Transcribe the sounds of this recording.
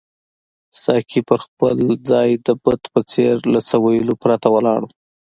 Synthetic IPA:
sɑkʰipəɾxpəld͡zɑjd̪əbət̪pət͡seɾlasawajilopɾat̪awalɑɽə

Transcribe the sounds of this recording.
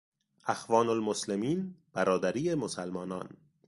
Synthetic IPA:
ʔæxvɒːnolmoslemiːnb̥æɾɒːd̪æɾiːemosælmɒːnɒ̰ːn

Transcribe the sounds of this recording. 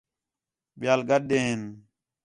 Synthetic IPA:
ɓɪjaːlɡəɗ̚ɗ̪eːɦɪn

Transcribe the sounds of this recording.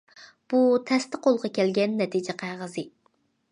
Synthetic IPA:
b̥ut̪ʰɛst̪ɪqolˠʁɑkʲʰɛlɡʲɛnːɛt̪ʰid͡ʒɛqʰæʁəzɨ

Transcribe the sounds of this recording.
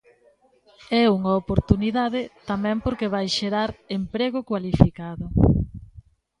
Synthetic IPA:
ɛuŋaopoɾt̪uniðaðɪt̪amɛ̃mpoɾkeβajʃeɾaɾempɾeɣʊkwalifikaðʊ

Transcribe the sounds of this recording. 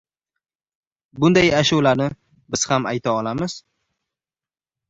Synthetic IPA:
bʊnd̪ajaʃʊwlaɾnɪ | bɪz̥hamajt̪ʰaɒlamɪz̥

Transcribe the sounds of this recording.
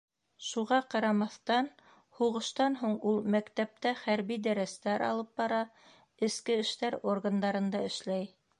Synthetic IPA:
ʃuʁɑqɑɾɑmɑθt̪ɑn | huʁɤ̆ʃt̪ɑnɦuɴulˠmækt̪æp̚t̪æχæɾβid̪æɾæst̪æɾɑ̰lˠɤp̚bɑɾɑ | ɘ̆skɘɘ̆ʃt̪æɾorɡand̪ɑɾɤ̆nd̪ɑɘ̆ʃlæj

